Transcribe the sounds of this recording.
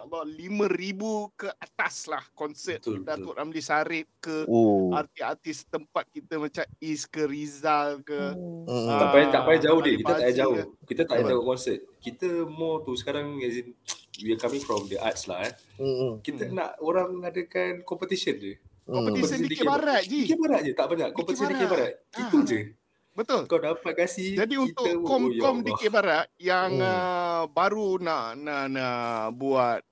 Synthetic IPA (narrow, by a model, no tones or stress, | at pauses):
əbawt̪limə̃ribukəʔat̪aslahkɔnsət̪t̪dat̪ʊʔʔamlisaɾɪp̚kəart̪iart̪ist̪əmpat̪̚kit̪əmãt͡ʃamiskərizalkə | apajat̪aʔpajad͡ʒaʊhdiəkit̪əaʔjad͡ʒaohkit̪ət̪aʔjad͡ʒ̪aoʔkɔnsət̪̚kit̪əmɔt̪usə̥kaɾaŋɛzinwiakamĩŋfɾɔmdəʔa̰t̪̚sla̰h | kit̪əna̰ʔoɾaŋməŋadəkankɔmpət̪isənd͡ʒə | kɔmpət̪isəindidikbaɾat̪̚d͡ʒikibaɾaʔ̚d͡ʒət̪aʔbaɲaʔkɔmpət̪isəndikibaɾat̪̚iud͡ʒə | bət̪ʊlkawdapat̪̚kasihd͡ʒadiunit̪ʊkɔmjkɔmdikebaɾaʔ̪̚jaŋəbaɾunaʔnanabuat̪̚